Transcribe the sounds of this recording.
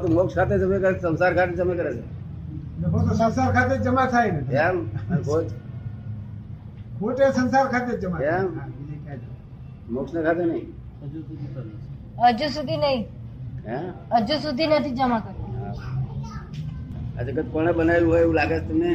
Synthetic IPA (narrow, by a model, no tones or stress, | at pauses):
t̪omokskʰat̪̬ed͡ʒəmekəɾet͡ʃsənsaːɾkʰaːt̪̬ed͡ʒəmakəɾet͡ʃʰe | nebot̪osənsaɾkʰat̪ed͡ʒəmat̪ʰaebeeamkʰot | kʰoʈesənsaɾkʰat̪ed͡ʒəmaeamnekad͡ʒ | moksnekʰat̪enəĩ | d͡ʒuik | əd͡ʒus̬ud̪ʱinəĩ | aəd͡ʒusud̪ʱinət̪ʰid͡ʒəmakəɾt̪aa | ə̰d͡ʒekəd̪̚koɽ̃ebənaluɦoːeulaːɡet͡ʃʰt̪əmne